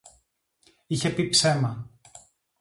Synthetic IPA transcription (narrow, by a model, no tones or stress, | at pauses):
içe̞pipse̞mɐ